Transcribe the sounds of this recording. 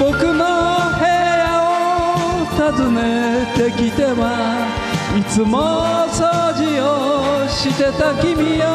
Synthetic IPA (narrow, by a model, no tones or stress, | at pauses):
b̥o̞kɯ̟nohe̞ːao | t̪azɨne̞t̪e̞kʲit̪e̞βa | it͡sɨmosoːd͡ʑioɕit̪e̞t̪akʲimʲio